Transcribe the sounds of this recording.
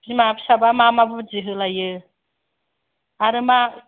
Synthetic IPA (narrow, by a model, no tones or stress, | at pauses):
imabʃabamamabud͡ʒiɦɨlaje | aɾɨma